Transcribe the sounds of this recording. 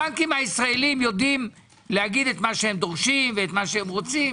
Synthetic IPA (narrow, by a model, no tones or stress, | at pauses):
amkimhaisʁae̞limjo̞d̪im | lehaɡid̪et̪maʃehemd̪o̞ʁʃimveːt̪maʃeemʁo̞t͡sim